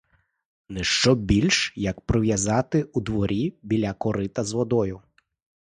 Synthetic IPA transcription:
nɛʃt͡ʃɔbʲilʲʃjɐkpɾɔʋʲjɐzɑt̪ɪud̪ʋɔɾʲibʲilʲɐkɔɾɪt̪ɐzʋɔd̪ɔjʊ

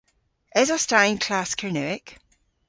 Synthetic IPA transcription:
ɪzəstaɪɪ̃nkʰl̥askʰənʉɪk

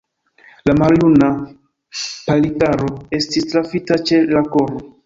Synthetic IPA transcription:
lamaljuna | palitaɾo̞e̞stistɾafitat͡ʃe̞lakoɾo

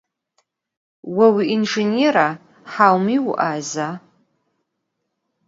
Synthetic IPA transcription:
wawiʔinʐeneɾa | ħawmiw̰ʔaza

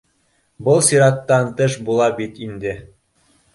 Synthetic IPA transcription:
bɤlˠsiɾɑt̪ːɑnt̪ɤʃbulˠɑbit̪ind̪ɘ̆

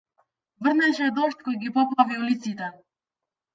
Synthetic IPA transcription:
və̆ɾnɛʃɛd̪ɔʃt̪kɔjɡipɔpaviulit̪sit̪ɛ

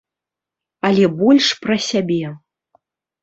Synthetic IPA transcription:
ɐlʲɛbɔlʲʂpɾɐsʲabʲɛ

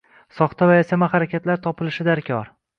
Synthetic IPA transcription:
sɒχt̪ʰavajesamaχaɾakʲat̪laɾt̪ʰɒpʰɪlɪʃɪd̪aɾkʲʰɒɾ

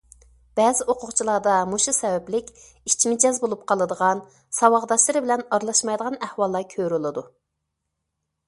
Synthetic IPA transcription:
b̥ɛːzɪʔoqʰʊʁt͡ʃʰilˠɑːd̪ɑmoʃusɛwɛplɪkʲ | it͡ʃʰmɪd͡ʒɛzbolˠup̚qʰɑlˠɨd̪əʁɑn | sɑwɑʁd̪ɑʃlˠɨɾɪbɪlɛnɑɾlˠɑʃmɑjd̪əʁɑnæhwɑlˠːɑkʲʰøɾulˠɨd̪u

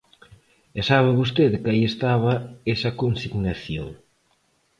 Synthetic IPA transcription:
ɛsaβɪβost̪eðkaiest̪aβɐesɐkonsiɣnaθjo̰ŋ

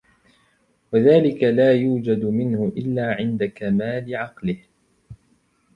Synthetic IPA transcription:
waðaːlɪkalaːjuːd͡ʒad̪mɪnhʊʔɪlːaːʕɪnd̪akamaːlɪʕɑqlɪh

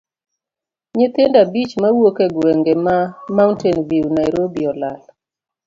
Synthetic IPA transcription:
ɲɪt̪ɪndabit͡ʃmawokeɡwɛŋɡemamaʊntɛnviwnajɾobiɔlal

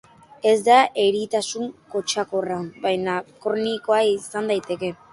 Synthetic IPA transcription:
e̞zd̪aʔeɾit̪asuŋko̞t͡ʃako̞rabajnakoɾniko̞aisand̪ajt̪e̞ke̞

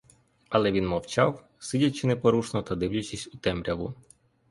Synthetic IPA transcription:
ɐlˠɛʋʲinmɔwt͡ʃaw | sɪdʲɐt͡ʃɪnɛpɔɾuʃnɔt̪ɐd̪ɪwlʲɐt͡ʃisʲʊt̪ɛmɾʲɐʋʊ

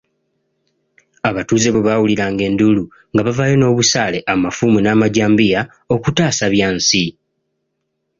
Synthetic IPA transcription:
aβatuːze̞βeβawuliɾaːŋɡe̞ːndulu | ŋɡaβavajo̞no̞ːβusaːle̞ʔamafumunaːmaɟaːmbija | o̞kutaːsaβjaːnsi

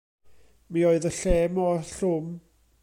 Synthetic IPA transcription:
mioːɨðəɬɛmɔɬʊm

